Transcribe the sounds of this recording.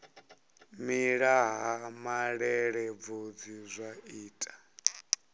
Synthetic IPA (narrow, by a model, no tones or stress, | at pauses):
miɺaɦamaɺɛɺɛb̪vod͡zizʷaiːtʼḁ